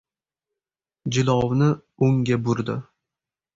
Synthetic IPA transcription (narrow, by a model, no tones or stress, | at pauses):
d͡ʒɪlˠɒwnɪʊŋɡʲabʊɾd̪ɪ